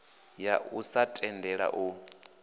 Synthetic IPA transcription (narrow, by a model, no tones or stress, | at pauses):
jaʔusatʼɛndʱɛɺa̰ʔu